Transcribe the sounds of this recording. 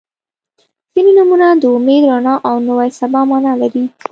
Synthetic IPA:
z̥ininumunad̪əʊmed̪ɾɑnɑʔawnəwajsabɑmɑnɑlaɾi

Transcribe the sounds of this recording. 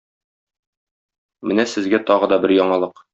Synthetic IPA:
mɘnæsɘ̆zɡæt̪ɒʁɤ̆d̪ɒbɘɾjɒɴɑlˠɤq

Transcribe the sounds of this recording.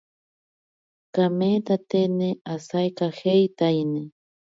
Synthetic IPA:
kamet̪at̪enɪasajkaxejt̪ajnɪ

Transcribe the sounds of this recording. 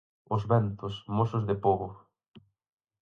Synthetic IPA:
ʊzβɛnt̪ʊsmosʊzðɪpoβʊ

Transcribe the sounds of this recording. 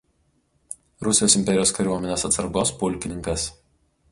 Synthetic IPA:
ɾʊsʲɪjoːsɪmʲpʲɛɾʲɪjoːskɐɾʲuɔmʲɛnʲeːsɐt̪sɐɾɡoːspʊlʲˑkʲɪnʲɪŋkɐs

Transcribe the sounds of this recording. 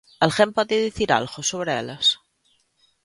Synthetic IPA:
alɣempɔðeðiθiɾa̰lɣosoβɾeɛ̰las

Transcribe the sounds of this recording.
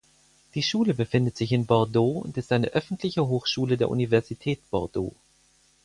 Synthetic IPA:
d̥iːʃuːləbəfɪndətz̥ɪçɪnbɔɐdoːʊ̰ntɪstʔaɪnəʔœfn̩tʰlɪçəɦoːxʃuːlədeːɐʔṵnivɛɐzitʰɛːt̚b̥ɔ̰ɐdo̰ː

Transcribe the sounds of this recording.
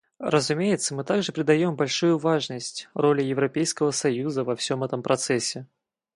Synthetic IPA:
rəzʊmʲejɪt̪səmɨt̪aɡʐɨpɾʲɪd̪ɐjo̞mbɐlʲʂujʊvaʐnəsʲtʲro̞lʲjɪvɾɐpʲejskəvəsɐjuzəvɐfsʲo̞mɛt̪əmpɾɐt̪sɛsʲːɪ

